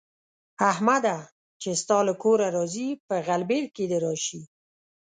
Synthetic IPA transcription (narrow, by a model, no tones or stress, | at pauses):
ahmad̪a | t͡ʃest̪ɑləkoɾaɾɑzipəɣalbeɾked̪eɾɑʃi